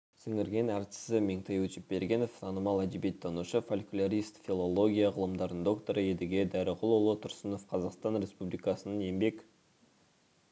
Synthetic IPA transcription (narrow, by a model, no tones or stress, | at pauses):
sɪŋɪɾɡʲe̞næɾt̪ɪ̥sɪmeŋt̪ʰejwɵt͡ʃɪp̚be̞ɾɡʲe̞nofsɑnomɑlˠæd̪ibet̪ʰːɑnuʃəfolʲkʲʊlʲaɾist̪fʲilˠolˠo̞ɡʲijɑʁəlˠəmd̪ɑɾd̪ənd̪o̞kt̪o̞ɾəed̪ɪɡʲed̪æɾɪqʰʊlˠolˠət̪ʰʊɾsəno̞fqʰɑzɑqst̪ɑnɾʲe̞spublʲikɑsənɑne̞mbe̞k